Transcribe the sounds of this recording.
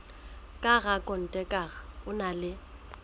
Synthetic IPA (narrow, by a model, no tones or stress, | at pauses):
kʼaɣakʼɔn̩tʼɛkʼaɣaʊnalɪ